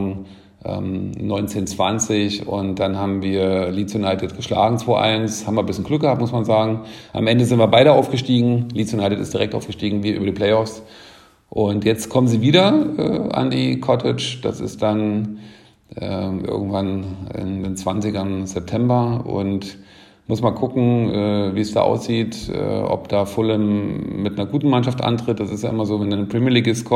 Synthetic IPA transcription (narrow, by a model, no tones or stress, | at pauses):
ʔɛ̰ːmnɔʏnt͡seːnt͡sv̥ant͡sɪçʊ̰ntd̥anhaːbm̩viːɐlit͡sjonaɪtɪtɡ̥əʃla̰ːɡŋ̩t͡sv̥oːʔa̰ɪnshaːbmabɐbɪsçənɡ̥lʏkɡ̥əhap̚tmʊsmanzaːɡŋ̩ʔa̰mʔɛndəzɪntv̥iːɐbaɪɾəʔaʊfɡ̥əʃtiːɡŋ̩lit͡sjonaɪtɪtɪstd̥iʁɛktʔa̰ʊfɡ̥ə̥ʃtiːɡŋ̩viːʔy̰bɐdiːpʰl̥ɛɪɔfs | ʔʊntjɛt͡stkʰɔmənziːviːɾɐɛ̰a̰ndiːkʰɔtʰɪt͡ʃd̥a̰sɪ̰std̥an | ʔɛːʔɪ̰ɐɡŋ̩tv̥anɪ̰ndeːnt͡sv̥ant͡sɪɡɐnz̥ɛp̚tʰɛmbɐʊ̰nt | mʊsmaːlkʰʊkŋ̩ʔɛːviːsd̥a̰ːʔa̰ʊsz̥iːtʔɛ̰ːʔɔ̰pd̥aːfʊləmːɪtnɐɡuːtn̩manʃaftʔa̰ntʁ̥ɪt̚d̥asɪstjaːʔɪmɐzoːvɛndanpʁ̥ɛmiːɐliːɡəskʰɔ